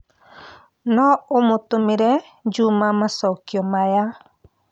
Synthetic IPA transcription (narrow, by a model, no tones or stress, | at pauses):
nɔomʊt̪umiɾɛ | d͡ʒumamasɔukiɔmaja